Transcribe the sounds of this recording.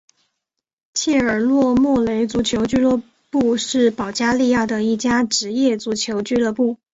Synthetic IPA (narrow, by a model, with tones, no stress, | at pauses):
t͡ɕʰɛ˥˩ə˞˨˩lwɔ˥˧mwɔ˥˩le˧˥ɪt͡su˧˥t͡ɕʰjo˧˥ʊt͡ɕy˥lɔ˥˧ | pu˥˧ʂɻ̩˥˩pɑ˨˩ʊt͡ɕja˥li˥˧ja˥˩d̪ə˩i˥˩t͡ɕja˥ʈ͡ʂɻ̩˧˥jɛ˥˩t͡su˧˥t͡ɕʰjo˧˥ʊt͡ɕy˥lɤ˥˧pu˥˩